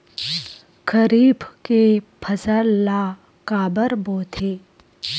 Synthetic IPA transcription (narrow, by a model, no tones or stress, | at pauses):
kʰəɾiːbkepʰɐsəlːaː | kaːbəɾboːt̪ʰeː